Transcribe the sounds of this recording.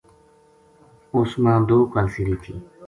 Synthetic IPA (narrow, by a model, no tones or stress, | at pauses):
ʊsmãːd̪oːkəlsiɾiːt̪ʰiː